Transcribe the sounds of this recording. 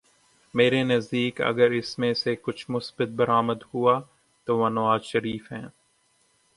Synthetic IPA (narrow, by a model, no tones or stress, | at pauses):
meːɾenɐzd̪iːkɐ̰ɡəɾɪsmẽsekʊt͡ʃʰmʊsbət̪̚bɐɾaːməd̪huaː | t̪oːʋãːnɐʋaːzʃɐɾiːfɦɛ̃ː